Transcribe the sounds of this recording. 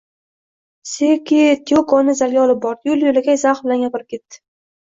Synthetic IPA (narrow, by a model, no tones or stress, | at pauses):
sekʲit̪ʰiokɒnɪzalɡʲaɒlɪp̚bɒɾjʊljolɪɡʲazaχbɪlanɡʲapɪɾɪp̚kʲʰe̞t̪ːɪ̥